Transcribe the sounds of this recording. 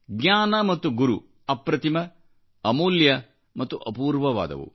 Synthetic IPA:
ɡɲaːnɐmɐt̪ːuɡuɾu | ɐpɾɐt̪imɐ | ɐmuːljɐ | mɐt̪ːuʔɐpuːɾʋɐʋa̰ːd̪ɐ̰ʋṵ

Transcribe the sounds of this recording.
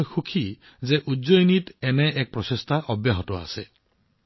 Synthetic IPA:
jxukʰi | zeʔudzojnit̪eneʔɛk̚pɾɔsest̪ʰaʔɔbjaɦɔtɔa̰se

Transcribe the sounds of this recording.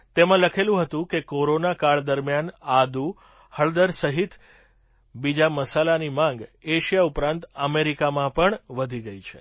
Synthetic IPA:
t̪emãləkʰelũɦət̪ũkekoɾonakaɭd̪əɾmjanad̪u | həɭd̪əɾsəɦit̪ʰ | bid͡ʒaməsalanimãŋɡeʃijaupɾãnt̪əmeɾikamãpəɳʋəd̪ʱiɡəit͡ʃʰḛ

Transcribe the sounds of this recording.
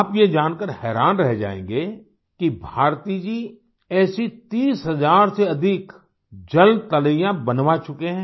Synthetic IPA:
aːpjed͡ʒaːnkəɾhɛːɾaːnɾɛɦd͡ʒa̰ːḛ̃ːŋɡe | kibʱaːɾt̪id͡ʒiː | ɛːsit̪iːsɦɐzaːɾseɐd̪ʱɪk | d͡ʒəlt̪ɐləijãbənʋat͡ʃʊkeɦɛ̃ː

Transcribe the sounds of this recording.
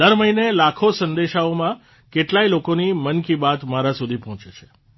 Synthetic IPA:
d̪əɾməinelakʰosə̃nd̪eʃaomã | keʈlailokonimənkibat̪maɾãsud̪ʱipɔɦɔ̃t͡ʃet͡ʃʰe̥

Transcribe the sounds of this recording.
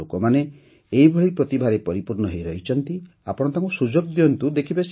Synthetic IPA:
okɔmane | eibʱɔɭipɾɔt̪ibʱaɾepɔɾipuɾnɔɦejɾɔɦit͡ʃʰɔnt̪i | apɔɽ̃t̪aŋkusud͡ʒoɡ̚d̪iɔnt̪ud̪ekʰibes

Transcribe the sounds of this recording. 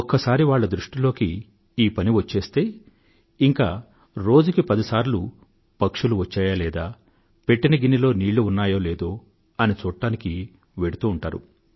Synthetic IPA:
ɔkːɐsaːɾiʋaːɭːɐd̪ɾuʂʈilo̞ːkiː | pɐniʋɐt͡ʃːe̞ːst̪e̞ː | iŋka̰ː | ɾo̞ːd͡ʒukipɐd̪isaːɾlu | pɐkʂuluʋɐt͡ʃːaːjaːlɛːd̪aː | pe̞ʈːinɐɡinilo̞ːniːɭːuːnːaːjo̞ːleːd̪o̞ː | ɐnit͡ʃuːʈːaːniki | ʋe̞ɽut̪uːɳʈaːɾṵ

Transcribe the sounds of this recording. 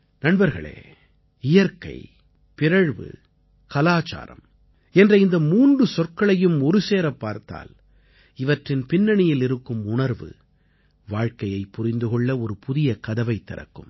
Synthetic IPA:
nɐɳbɐɾɣɐɭḛː | ɪjɐɾkɐ̰ɪ | pɪɾɐɻʋɯ̰ | kɐlaːt͡ʃa̰ːɾɐ̰m | ɛndrɐɪnd̪ɐmuːndrɯsɔrkɐɭɐjɯmɔɾɯseːɾɐpːaːɾt̪a̰ːl | ɪʋɐʈrɪnpɪnːɐɳɪjɪlɪɾɯkːɯmʊɳɐɾʋɯ̰ | ʋaːɻkɐjɐɪpːʊrɪnd̪ɯɣɔɭːɐɔɾɯpʊðɪjɐkɐðɐʋɐɪt̪ːɪɾɐ̰kːɯm

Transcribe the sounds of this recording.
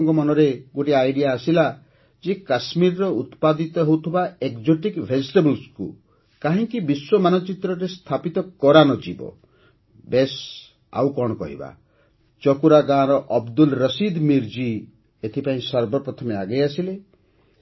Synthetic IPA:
ŋkɔmɔnɔɾeɡoʈiajɖijaːsila | d͡ʒekasmiɾɔɾɔut̪pad̪it̪ɔɦewt̪ʰibaekd͡ʒoʈikbʱed͡ʒiʈebɔlskṵ | kaɦĩŋkibiswɔmanɔt͡ʃit̪ɾɔɾest̪ʰapit̪ɔkɔɾanɔd͡ʒibɔ̰ | bes | a̰wkɔɽ̃ɔkɔ̰ɦḭba̰ | t͡ʃɔkuɾaɡaːɾɔʔɔbd̪ulɾɔsid̪miɾd͡ʒi | et̪ʰipaĩsɔɾbɔpɾɔt̪ʰɔmeaɡejasile

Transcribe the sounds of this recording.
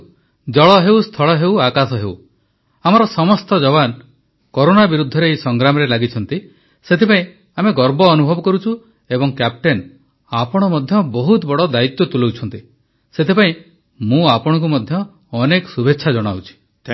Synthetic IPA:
d͡ʒɔɭɔɦewst̪ʰɔɭɔɦewakasɔɦeu | amɔɾɔsɔmɔst̪ɔd͡ʒɔβan | koɾonabiɾud̪ʱːɔɾejsɔŋɡɾamɔɾelaɡit͡ʃʰɔnt̪i | set̪ʰepaĩ | ameɡɔɾbɔːnubʱɔbɔkɔɾut͡ʃʰu | ebɔŋkap̚ʈen | apɔɽ̃ɔmɔd̪ʱjɔbɔɦut̪bɔɽɔd̪ait̪jɔt̪ulowt͡ʃʰɔnt̪i | set̪ʰepaĩ | mũapɔɽ̃ɔ̃ŋkumɔd̪ʱjɔː | nekɔsubʱeːʃʰad͡ʒɔɽ̃awt͡ʃʰi̥

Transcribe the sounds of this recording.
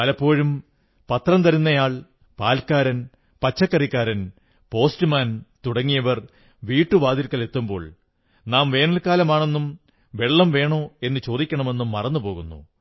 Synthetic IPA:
ɐlɐpːo̞ːɻum | pɐt̪rɐmt̪ɐɾunːɐjaːɭ | paːlkaːɾɐn | pɐt͡ɕːɐkːɐrikʲːaːɾɐn | po̞ːstɨmaːnt̪uɽɐŋːijɐʋɐr | ʋiːʈːuʋaːd̪iɾkːɐle̞t̪ːumbo̞̰ːɭ | naːmʋe̞ːnɐlkaːlɐmaːɳe̞nːum | ʋe̞ɭːɐmʋe̞ːɳo̞ːe̞nːɨt͡ɕo̞ːd̪ikʲːɐɳɐme̞nːumːɐrɐnːupo̞ːɣunːṵ

